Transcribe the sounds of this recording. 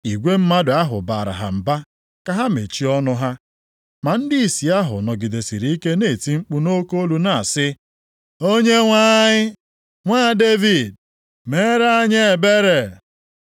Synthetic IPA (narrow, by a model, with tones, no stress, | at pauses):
i˨ɡʷe˦m̩˦ma˦dʊ˨a˦ɦʊ̰˨baː˨ɾa̰˨ɦa̰˨m̩˨ba˦ | ka˦ɦa˦mḛ˨t͡ʃi˦ɔ˦nʊ˦ɦa˦ | ma˨n̩˦dɪ˦i˨si˨a˦ɦʊ̰˨nɔ˨ɡɪ˨de˨si˨ɾi˨i˦ke˦ne˨ti˦ŋ͡m̩˦k͡pu˦no˦ko˦o˦lu˨na˨sɪ˦ | o˦ɲe˦ŋʷa˦ɲɪ˦ | ŋʷaː˦˨de˦vi˨d̚ | me˦ɾa˦ɲe˦e˨be˦ɾe˨